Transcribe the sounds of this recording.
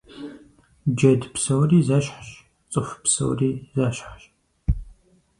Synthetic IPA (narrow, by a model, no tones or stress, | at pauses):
d͡ʒɐdpsɐwriːzɐɕħɕ | t͡sʼɨfpsɐ̰wriːzɐɕħɕ